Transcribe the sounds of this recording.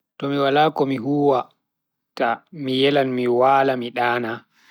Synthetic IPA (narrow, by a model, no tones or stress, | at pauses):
tɔmiwalaːkɔmiɦuːwa | tamijɛlanmiwaːlamiɗaːna